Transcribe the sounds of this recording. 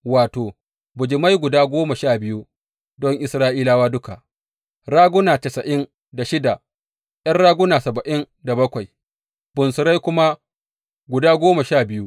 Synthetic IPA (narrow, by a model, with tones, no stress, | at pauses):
waː˨toː˨ | bʊ˨d͡ʒɪ˨ma˦jɡʷʊ˨daː˦ɡʷoː˦ma˨ʃaː˦˨bɪ˦ju˦ | dɔ˦ŋʔɪ˦sɾaː˦ʔiː˦laː˦waː˦dʊ˦ka˨ʔ | ɾaː˦ɡʊ˦naː˨tɐ˨sɐ˨ʔɪ˦n | da˨ʃɪ˦da˨ | j̰ɐ˦nɽaː˦ɡʊ˦naː˨sɐ˨bɐ˨ʔɪ˦n | da˨bɐ˦kʷa˨j | bʊ˨nsʊ˨ɾa˦jkʷʊ˦ma˦ | ɡʷʊ˨daː˦ɡʷoː˦ma˨ʃaː˦˨bɪ˦ju˦